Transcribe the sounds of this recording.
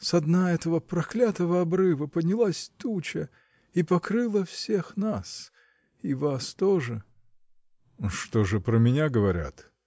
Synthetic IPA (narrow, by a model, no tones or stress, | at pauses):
sɐd̪naɛt̪əvəpɾɐklʲat̪əvəɐbrɨvəpəd̪ʲnʲɪlˠasʲt̪ut͡ɕə | ipɐkɾɨlˠəfsʲe̞xnas | ivast̪oʐɨ | ʂt̪oʐɨpɾəmʲɪnʲaɡəvɐɾʲa̰t̪